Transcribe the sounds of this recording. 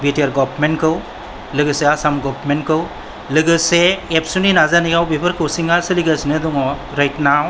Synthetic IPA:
biteɾɡɔbʰɾmenkʰɯw | lɯɡɯseasamɡɔbɾmenkʰɯw | lɯɡɯseːpsuninazaniɡawbipʰɯɾkʰɯwsiŋaɾsɯliɡasnɯduŋɔ | ɾajtnaw

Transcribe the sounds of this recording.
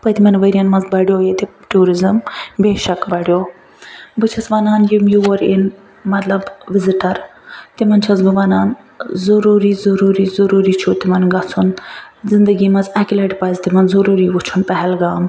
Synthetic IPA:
pɐt̪imɐnʋɐɾʲijɐnmɐnzbɐɽjoːjet̪iʈuːɾizɨmbeːʃɐkbɐɽjoː | bɨt͡ʃʰɐsʋɐnaːnjimjuʋɐɾin | mɐt̪lɐbʋɪziʈɐɾt̪imɐnt͡ʃʰɐsɡuʋɐnaːn | zɐɾuːɾizɐɾuːɾizɐɾuːɾiːt͡ʃʰut̪imɐnɡɐt͡sʰunzɪnd̪əɡiːmɐzɐkʲilɐʈpɐːzt̪imɐnzɐɾuːɾiːʋut͡ʃʰunpɛɦɛlɡaːm

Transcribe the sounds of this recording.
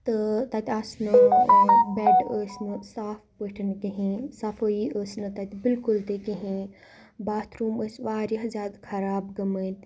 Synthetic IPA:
t̪ɨt̪ɐt̪ʲasnɨ | beɖəːsnɨsaːfpəʈʰɐnkeɦẽːsafoiʔəːsnɨt̪ɐt̪ʲbɪlkʊlt̪ekeɦẽː | baːt̪ʰɾuːməsʋaːɾʲjɐɦzʲaːd̪kʰɐɾaːbɡɐmət̪

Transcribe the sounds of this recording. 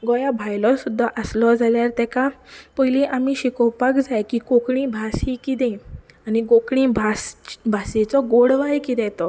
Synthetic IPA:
ɡɔjabʱajlɔsud̪ʱːaʔəslɔd͡zaljaɾt̪ɛkapəjliʔamiɕikɔwpakd͡zajkikokɽĩbʱasikit̪ɛ̃ | aniɡokɽĩbʱasbʱasit͡sɔɡoɽʋajkit̪ɛ̃t̪ɔ

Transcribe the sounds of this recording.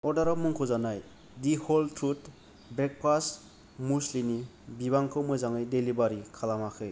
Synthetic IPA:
ɔdaɾamuŋkʰuzanaj | dihɔltʰɾut | bɾek̚pas | muslini | biβaŋkʰɯwmɯzaŋɯjdelibaɾikʰalamakʰɯj

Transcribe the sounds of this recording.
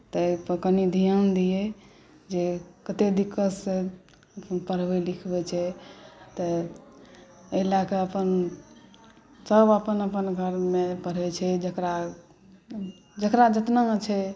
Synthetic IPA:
t̪əpəkənid̪ʱijənd̪ijɛ | d͡ʒekət̪ed̪ikːəsːẽ | pəɾbɛlikʰbɛt͡ʃʰɛt̪ə | elakeəpən | səbəpənəpənɡʱəɾmepəɽɛt͡ʃʰɛd͡ʒəkɾa | d͡ʒəkɾad͡ʒət̪nat͡ʃʰɛ

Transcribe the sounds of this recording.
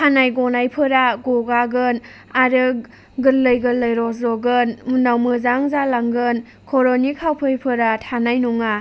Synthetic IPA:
tʰanajɡɔnajpʰɯɾaɡɔɡaɡɯn | aɾɯ | ɡɯlləjɡɯləjɾɔs̬zɔɡɯnmunawmɯzaŋzalaŋɡɯn | kʰɔɾɔnikʰawpʰɯjpʰɯɾatʰanajnuŋa

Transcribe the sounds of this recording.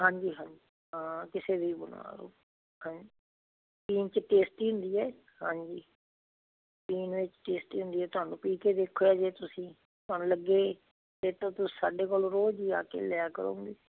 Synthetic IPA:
ɦãːɲd͡ʒiːɦãːd͡ʒi | ɦãːkɪseːd̪iːbʊnʋa̰ːɾo̰ː | hãːɲd͡ʒiː | piːnt͡ʃəʈeːsʈiːɦʊ̃nd̪iːɛː | hãːɲd͡ʒiː | piːnʋɪt͡ʃʈeːsʈiːɦʊ̃nd̪iːɛːt̪ʊaːnũːpiːkeːd̪eːkʰːoːaːd͡ʒeːt̪ʊsĩː | t̪ʊɦaːnũːləɡeː | t̪eːt̪ãːt̪ʊsiːsaːɖeːkoːloɾoːd͡ʒiːa̰ːkḛːlɛaːkəɾõ̰ːɡeː

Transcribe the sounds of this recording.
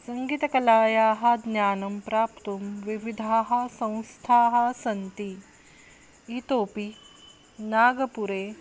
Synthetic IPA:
sɐŋɡit̪ɐkɐlaːjaːɦɐd̪njaːnɐmpɾaːpt̪umʋiʋid̪ʱaːɦɐsɐ̃w̃st̪ʰaːɦɐsɐnt̪i | it̪oːpi | naːɡɐpuɾeː

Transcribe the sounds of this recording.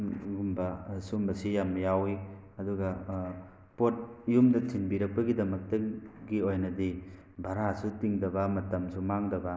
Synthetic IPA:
ɡumbɐsumbɐsijamjawi | ɐduɡɐ | pot̚jumdɐtʰinbiɾɐk̚pɐɡidɐmɐk̚tɐɡiojnɐdi | bʱɐɾasutiŋdɐbɐmɐtɐmsumaŋdɐbɐ

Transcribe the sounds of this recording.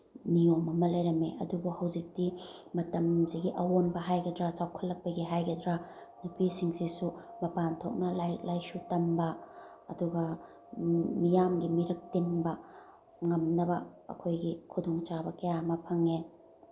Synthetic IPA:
niomɐmɐlɐjɾɐmeʔɐ̰dubuhɐwzik̚dimɐtɐmziɡiʔɐwonbɐɦajɡɐdɾasawkʰɐlːɐk̚pɐɡiɦajɡɐdɾa | nupisiŋsisumɐpantʰok̚nɐlalajsutɐmbɐː | duɡɐ | mijamɡimiɾɐk̚tinbɐ | ŋɐmnɐbɐ̰ːkʰojɡikʰudoŋt͡ʃabɐkɐjamɐpʰɐŋe

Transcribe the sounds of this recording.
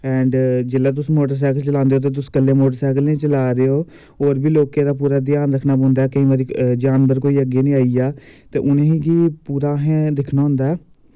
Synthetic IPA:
ɛ̃ːɳɖd͡ʒeːlːaːt̪̬ʊsːmoːʈəɾs̬ɛːkəlt͡ʃəlãːnd̪eoːt̪eːt̪̬ʊsːkəlːeːmoːʈəɾsɛːkəlnẽːt͡ʃəlaːɾeoː | oːɾbiːloːkẽːd̪aːp̬uːɾaːd̪ɪjaːnɾəkʰnaːbõːnd̪aɛːkəĩʋaːɾiːd͡ʒaːnbəɾkoːiːəɡeːnĩːaːiaːt̪ḛːʔʊnẽːɦĩːɡiːpuːɾaːɦɛ̃ːd̪ɪkʰnaːɦʊ̃nd̪aːɛː

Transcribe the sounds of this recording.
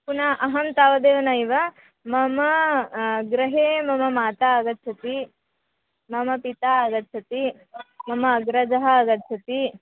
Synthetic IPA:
punaːʔɐɦɐnt̪aːʋɐd̪eːʋɐnɐiʋɐ | mɐmɐ | ɡɾɐɦeːmɐmɐmaːt̪aɐɡɐt̪ːt͡ʃʰɐt̪i | mɐmɐpit̪aːɐɡɐt̪t͡ʃʰɐt̪i | mɐmɐːɡɾɐd͡ʒɐɦɐːɡɐt̪ːt͡ʃʰɐt̪i

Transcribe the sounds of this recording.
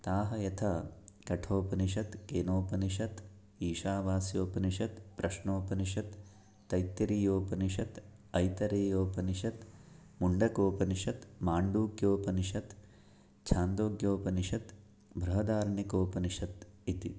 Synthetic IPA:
t̪aːɦɐjɐt̪ʰɐkɐʈʰoːpɐniʃ̬ɐt̪keːnoːpɐniʃɐt̪ | iːʃaːʋaːsjoːpɐniʃɐt̪pɾɐʃɳoːpɐniʃɐt̪ː | ɐjt̪ːɐɾiːjoːpɐniʃɐt̪ | ɐjt̪ɐɾeːjoːpɐniʃɐt̪ | muɳɖɐkoːpɐniʃɐt̪maːɳɖuːɡjoːpɐniʃɐt̪ | t͡ʃʰaːnd̪oːɡjoːpɐniʃɐt̪ | bʱɾɐɦɐd̪aːɾɐɳikoːpɐniʃɐt̪it̪i

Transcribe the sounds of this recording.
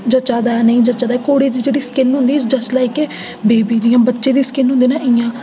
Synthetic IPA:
d͡ʒət͡ʃaːd̪aːɛnəĩːd͡ʒət͡ʃaːd̪aːkoːɽeːd̪iːd͡ʒeːɽiːskɪnɦʊ̃nd̪iːsd͡ʒəslaːikeː | beːbiːd͡ʒɪːãːbətːʃeːd̪iːskɪnɦʊnd̪iːnaːʔɪjãː

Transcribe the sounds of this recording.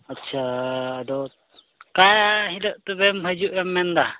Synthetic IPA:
ətːʃʰaːd̪ɔ | kajaɦiləʔt̪əbɛmɦəd͡ʒuʔɛmːɛnd̪a

